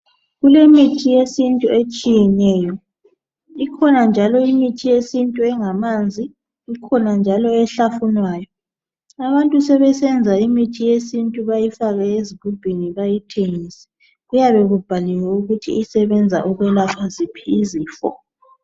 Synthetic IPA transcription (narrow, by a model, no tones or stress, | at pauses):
ɣulemitʰijesintʼuet͡ʃʼijɛnɛːjɔ | ikʰɔnand͡ʒʱalɔimitʰijesintʼuɛŋamand͡zʱiː | kʰɔnand͡ʒʱalɔɛɬafunwaːjɔ | aβantʼusɛβɛsɛnd͡zʱaimitʰijesintʼuβajifaɣɛezibʱub̥ʱiniβajitʰeŋisɛ̥ | ɣujaβɛɣub̥ʱalɛwɛuɣutʰḭːsɛβɛnd͡zʱa̰ʔuɣwɛlapʰazipʰiːziːfɔ̰